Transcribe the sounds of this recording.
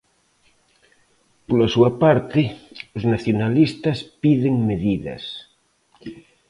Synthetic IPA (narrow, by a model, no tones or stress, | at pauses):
polasuapaɾt̪eoznaθjonalist̪aspiðeŋmeðiðɐ̰s